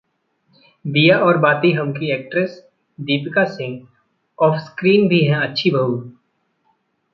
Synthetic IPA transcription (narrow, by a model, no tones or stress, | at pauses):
b̪ijaʔɔːɾbaːt̪iɦɐmkieːk̚ʈɾəs | d̪iːpɪkasɪ̃ŋɡ | ɔːfskɾiːnbʱiɦɛ̃ɐtːʃʰibʱəɦu